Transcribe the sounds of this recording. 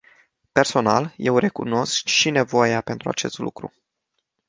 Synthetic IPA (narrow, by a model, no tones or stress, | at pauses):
pe̞rso̞na̰lje̞wre̞kuno̞skʃine̞vo̞jape̞nt̪ɾua̰t͡ʃe̞st̪lṵkɾṵ